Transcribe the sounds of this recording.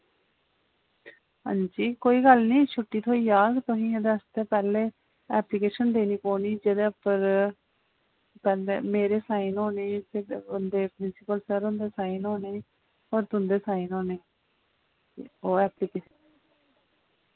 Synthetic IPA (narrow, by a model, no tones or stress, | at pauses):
ɦã̰ːd͡ʒiːkoːiːɡəlnĩːʃʰʊʈːiːt̪ʰoːiːd͡ʒaːɡt̪ʊɦĩːed̪əst̪eːpɛːleː | ɛːplikeːʃənd̪eːniːpoːniːd͡ʒeːd̪eːpːəɾ | pɛːlḛːmeːɾeːsaːinɦoːneːpʰɪɾʊnd̪eːpɾɪnsɪpəlsəɾʊ̃nd̪eːsaːinɦoːneː | ɔːɾt̪ʊnd̪eːsaːinɦoːneː | oːɛːpliːkeːʃn